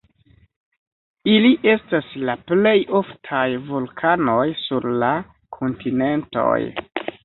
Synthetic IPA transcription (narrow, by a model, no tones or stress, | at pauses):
iliʔe̞staslaple̞jo̞ftʰajvulkʰano̞jsuɾla | kʰontine̞nto̞̰j